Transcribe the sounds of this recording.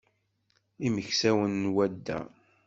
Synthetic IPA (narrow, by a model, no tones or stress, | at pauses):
iməçsæwənːwæd̪ːæ̰